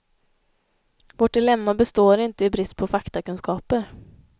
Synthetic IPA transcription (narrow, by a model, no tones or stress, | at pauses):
vɔʈ̚ɖɪlɛmːabɛst̪oːɾɪnt̪əɪbɾɪst̪̚pʰɔfakt̪akɵnskɑːpəɾ